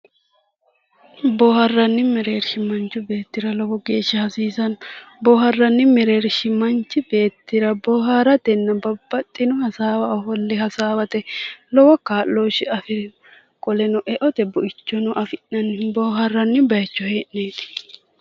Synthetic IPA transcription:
bɔːhɐrːɐnːɪmɛɾeːɾʃɪmɐnt͡ʃːʊbe̞ːt̪ːɪɾɐlɔwɔɡe̞ːʃːɐhɐsiːsɐnbɔːhɐrːɐnːɪmɛɾe̞ːɾʃɪmɐnt͡ʃːɪbe̞ːt̪ːɪɾɐbɔɦaɾɐd̪ɛnːɐbɐbːɐt̪ʼːɪnʊhɐsaːwɐɔfɔlːɪɦɐsaːwɐt̪ɛlɔwɔkaːlːoːʃɪɐfɪ | kʼɔlɛnɔʔɛʔɔt̪ɛbɔʔɪt͡ʃːɔnʊʔɐfɪʔɐnbɔːɦɐrːɐnːɪbɐjɐt͡ʃːɔhe̞ːʔneːt̪ɪ̥

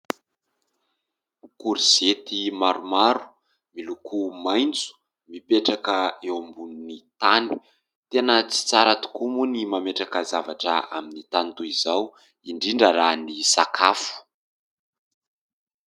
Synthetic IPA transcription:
ukuɾiz̥et̪imaɾumaɾu̥ | milukʰumajnt͡su̥ | mipeʈ͡ʂakəewambununit̪ani̥ | t̪enət͡si̥t͡saɾat̪u̥kumunimameʈ͡ʂakəzavaʈ͡ʂə̰aminit̪ant̪uizaw | iɳɖ͡ʐiɳɖ͡ʐəɾanisakʰafu̥

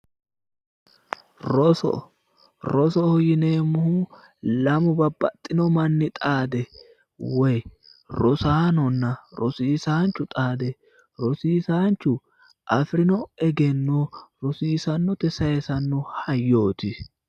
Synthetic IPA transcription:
ɾɔsɔ̰ | ɾɔsɔhɔjɪneːmʊhu | lɐmʊbɐbːɐt̪ʼːɪnɔmɐnːɪt̪ʼaːd̪ɛ | wɔj | ɾɔsaːnɔnːɐɾɔsiːsaːnt͡ʃːʊt̪ʼaːd̪ɛ | ɾɔsiːsaːnt͡ʃːʊ | ʔɐfɾɪnɔɛɡɛnːoɾɔsiːsɐnːɔt̪ɛsɐjɛsɐnːʊhɐjːo̞ːt̪ɪ

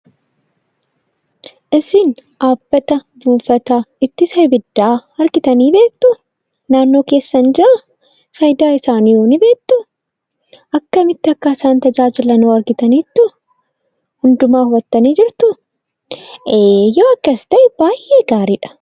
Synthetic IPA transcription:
ʔɪsɪnʔaːb̥ːɐt̪ɐbuːfɐt̪aːɪt̪ːɪsɐjbɪd̪ːaːɐɾɡɪt̪ɐniːbe̞ːk̚t̪ʊ | naːnːo̞ːke̞ːsːɐnd͡ʒɪʔɐ | fɐjd̪aːɪsaːniːjoːnɪbe̞ːkt̪ːʊ | ʔɐkːɐmɪt̪ːɪɐkːɐɪsaːnt̪ɐd͡ʒaːd͡ʒɪlɐnoːɐɾɡɪt̪ɐniːt̪ːʊ | hʊnd̪ʊmaːhʊbɐt̪ːɐniːd͡ʒɪɾt̪ʊ | eːjoːɐkːɐst̪ɐʔɪb̥aːjʔːeːɡaːɾiːᶑɐ̥

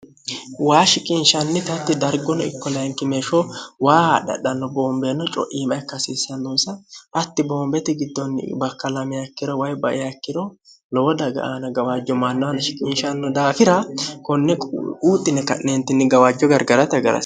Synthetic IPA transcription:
waːʃɪkʼɪnʃɐnːɪt̪ɐt̪ːɪd̪ɐɾɡɔnɔɪkːɔlɐjŋkɪmeʃɔwaːhaːɗɐ̰ɗɐnːɔboːmbenːɔt͡ʃʼɔ̰ʔiːmɐjkːɐsiːsɐnːɔsɐʔɐt̪ːɪboːmbɛt̪ɪɡɪd̪ːɔn̰ːbɐkːɐlɐmɪjakːɪɾɔwɐjbɐʔɪjakːɪd̪ɔ | lɔwɔd̪ɐɡɐ̰ʔaːnɐɡɐwaːd͡ʒːɔmanːɔwɐnɐʃɪkʼɪːnʃɐnːɔd̪aːfɪɾɐkɔnːɛuːt̪ʼːɪnɛkɐ̰ʔneːnt̪ːɪnːɪɡɐwaːd͡ʒːɔɡɐɾɡɐɾɐt̪ɐɡɐɾɐ̰

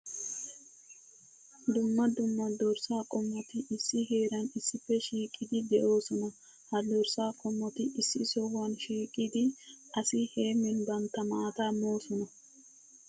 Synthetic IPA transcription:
d̪ʊmːɐd̪ʊmːɐd̪ɔɾsaːkʼɔmːɔt̪ɪʔɪsːɪɦe̞ːɾɐnɪsːɪfːɛʃiːkʼːɪd̪ɪd̪ɛʔo̞ːsɔnɐ | hɐd̪ɔɾsaːkʼɔmːɔt̪ɪʔɪsːɪ̰sɔwanʃiːkʼɪd̪ɪɐsɪhe̞ːmɛnbɐnt̪ːɐmaːt̪amo̞ːsɔnɐ

